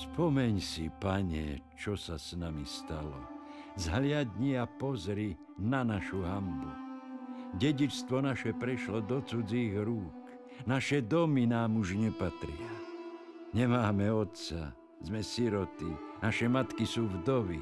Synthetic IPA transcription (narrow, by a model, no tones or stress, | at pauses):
spɔmɛɲsḭpaɲɛ̰t͡ʃɔsasnamḭst̪alɔ̰ | zɦlɪad̪ɲiapɔzɾi | nanaʃuɦambu | ɟɛɟit͡ʃst̪ʋɔnaʃɛpɾɛʃlɔd̪ɔt͡sud͡ziːɣɾuːk | naʃɛd̪ɔminaːmuʒɲɛpat̪ɾɪa | ɲɛmaːmɛɔt̪sa̰ | zmɛsiɾɔt̪inaʃɛmat̪kisuːvd̪ɔʋi